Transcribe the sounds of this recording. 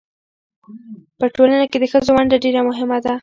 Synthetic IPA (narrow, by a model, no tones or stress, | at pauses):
pəʈolanaked̪əxəzowaɳɖaɖeɾamʊɦɪmad̪a